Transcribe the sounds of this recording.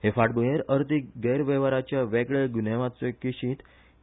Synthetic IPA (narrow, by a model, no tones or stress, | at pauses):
ɦefaʈ̚bujeɾəɾt̪iɡəjɾʋɛʋaɾat͡ɕjaʋɛɡɭeɡuneʋãt͡sekiɕĩːt̪